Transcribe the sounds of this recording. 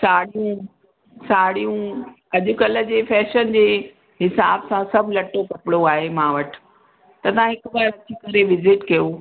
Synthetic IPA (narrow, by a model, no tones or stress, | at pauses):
saːɽijũ | saːɽijũ | ɐʄʊ̆kɐlə̆d͡ʑeːfɛːʃənd͡ʑeː | ɦɪsaːbsãsɐbʱlɐʈːokɐpɪɽoaːɦemãːʋɐʈʰɪ̥ | t̪ɐt̪ɐãɦɪkbaːɾɐt̪ʰikɐɾeʋɪzɪʈkɐjo